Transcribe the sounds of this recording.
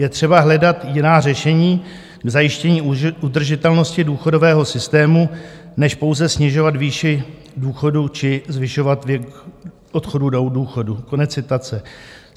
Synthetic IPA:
jɛt̪r̝̥ɛbaɦlɛdat̪jɪnaːr̝ɛʃɛɲiː | ɡzajɪʃcɛɲiːud̪r̩ʒɪt̪ɛlno̞scɪduːxo̞do̞vɛːɦo̞sɪst̪ɛːmu | nɛʃpo̞wzɛsɲɛʒo̞vat̪viːʃɪ | duːxo̞dut͡ʃɪzvɪʃo̞vat̪vɛk | ʔot̪xo̞dudowduːxo̞duko̞nɛt͡st͡sːɪt̪at͡sɛ

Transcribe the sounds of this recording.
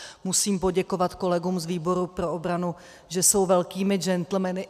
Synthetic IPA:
musiːmpo̞ɟɛko̞vat̪ko̞lɛɡuːmzviːbo̞ɾupɾo̞ʔobɾanu | ʒɛso̞wvɛlkiːmɪd͡ʒɛnt̪l̩mɛnɪ

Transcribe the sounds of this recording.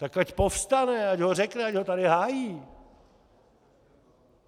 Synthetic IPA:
t̪akacpofst̪anɛacɦorɛknɛacɦot̪aɾɪɦaːjiː

